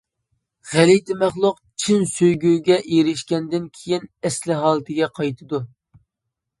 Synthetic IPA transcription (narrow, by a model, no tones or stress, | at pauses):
ʁælijt̪ʰɪmæχlˠʊq | t͡ʃʰinsøjɡʲywɡʲɛʔiɾɪʃkʲɛnd̪ɪnkʲʰejinɛslɪɦɑːlˠɨt̪ʰɨɡʲɛqʰɑjt̪ʰɨd̪u